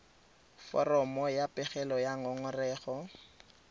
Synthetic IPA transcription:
fɔ̰rɔmɔjapʼɛχɛlɔjaŋɔŋʊrɛːχɔ

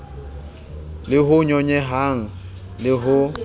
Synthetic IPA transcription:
lɪɦʊɲɔɲɛɦaŋ̩ | lɪɦʊ

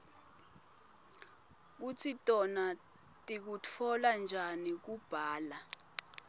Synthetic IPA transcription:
k̬ut͡sʰitʼɔna | tʼik̬ut͡fʰɔland͡ʒʱanik̬ub̥ʱaːla

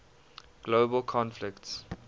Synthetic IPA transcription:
ɡ̥loːbəlkʰɔ̃nflɪkts

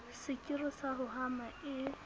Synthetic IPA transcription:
sɪkʼɪrɪsaɦʊɦamaɪ

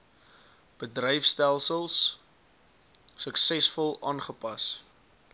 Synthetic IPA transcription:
b̥ədrəjfstælˠsəlˠs | əksɛsfɔlˠɑːnχəpɐs

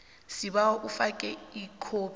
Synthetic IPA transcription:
sibaɔʔufakʼɛikʰoːp

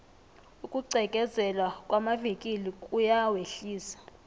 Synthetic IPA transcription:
ukʼuǀɛkʼɛzɛlwakʼwamavikʼilikʼujaweɬiːsḁ

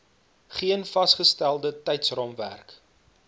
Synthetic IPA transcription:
χiənfɐsχəstælˠdətɛjtsrɑmvæ̰rk

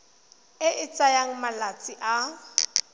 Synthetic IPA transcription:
ɪʔɪt͡sʼajaŋ̩malat͡sʼiʔa

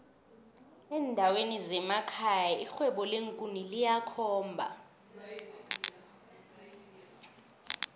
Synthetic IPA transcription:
ɛːndʱawenizɛmakʰajaixwɛɓɔleŋkʼunilijakʰɔːmbʱa̰

